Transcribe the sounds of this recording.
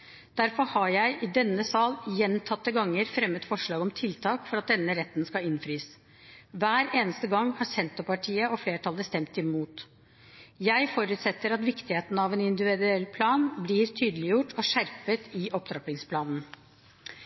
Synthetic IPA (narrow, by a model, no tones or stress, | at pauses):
d̪̥æɾfɔɾhɑɾjæɪʔɪd̪ɛnːəsɑːljɛnt̪ʰɑt̪ːəɡɑŋːəɾfɾɛmːət̪fɔʂɭɑːɡɔmt̪ʰɪlt̪ʰɑːkfɔɾɑt̪̚d̪ɛnːəɾɛt̪ːnskɑɪnfɾiːs | ʋæːɾeːnəst̪əɡɑŋːhɑsɛnt̪ɔpɑʈʰiːəʔɔfleːʈʰɑləst̪ɛmt̪ɪmuːt̪ | jæɪfɔɾʉːt̪sɛt̪ːəɾɑt̪ʋɪkt̪ɪheːt̪nəɑʋɛnɪnd̪ɪʋɪd̪ʉɛlːpʰlɑːnblɪːɾt̪ʰyːd̪əlɪjʊʈʰɔʂæɾpət̪ɪʔɔpd̪ɾɑpɪŋspʰlɑːnn